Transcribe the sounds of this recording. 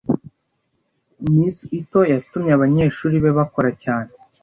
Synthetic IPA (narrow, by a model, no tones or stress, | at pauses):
miːsiito̞jatumɲeaβaɲe̞ʃuːɾiβe̞βako̞ɾacaːne